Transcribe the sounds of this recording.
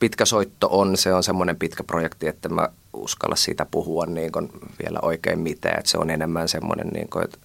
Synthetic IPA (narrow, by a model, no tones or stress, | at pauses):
pit̪kæsoit̪ːoʔonseonsemːonempit̪kæprojekt̪iet̪ːæmæ̰ | ṵskɑ̰lʔɑssḭːt̪æpuhuɑnniːŋkonʋielæ̰ʔoikeimmit̪æ̰ːḛt̪sḛonenemːænsemːo̰nḛnnḭːŋkoḛt̪